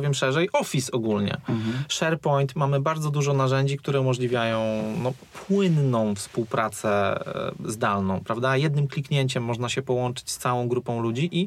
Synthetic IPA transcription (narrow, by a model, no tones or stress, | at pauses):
vjɛmʂɛʐɛjʔɔfʲisɔɡulɲɛ̰ʂɛɾpɔjnt̪mamɘbaɾd̪zɔd̪uʐɔnaʐɛɲd͡ʑikt̪uɾɛumɔʐlʲivʲjajɔ̃w̃nɔ | pwɘnːɔ̃w̃fspuwpɾat̪sɛ | zd̪alnɔ̃w̃pɾavd̪ajɛd̪nɘmklʲikɲeɲt͡ɕɛmːɔʐnaɕɛpɔwɔnt͡ʂɘ̥t͡ɕst̪sawɔ̃w̃ɡɾupɔ̃w̃lud͡ʑiʔi